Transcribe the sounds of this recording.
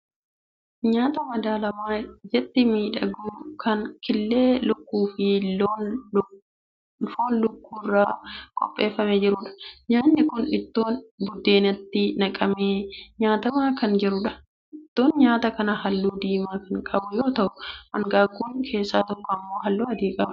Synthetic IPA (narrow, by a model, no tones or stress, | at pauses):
ɲaːt̪ɐmɐd̪aːlɐmaːd͡ʒɛt̪ːɪmiːᶑɐɡuːkʰɐnkɪlːe̞ːlʊkːuːfɪ | foːnlʊkːuːrːaːkʼɔ̰pʼːe̞ːfːɐmed͡ʒɪɾʊːᶑɐ̥ɲaːnːɪkʊnɪt̪ːo̞ːnbʊd̪ːe̞ːnɐt̪ːɪnɐkʼɐmeːɲaːt̪ɐmaːkɐnd͡ʒɪɾʊᶑɐ̥ | ʔɪt̪ːo̞ːnɲaːt̪ɐkɐnɐhɐlːuːd̪iːmaːkɐŋkʼɐbʊjo̞ːt̪ɐʔʊʔɐŋɡaːɡːuːnkʰe̞ːsːaːt̪ɔkːɔɐmːo̞ːɦɐlːuːɐd̪iːkʼɐbɐ